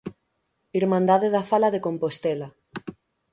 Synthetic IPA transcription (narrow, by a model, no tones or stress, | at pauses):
iɾmãnd̪aðeðafalaðekompost̪ela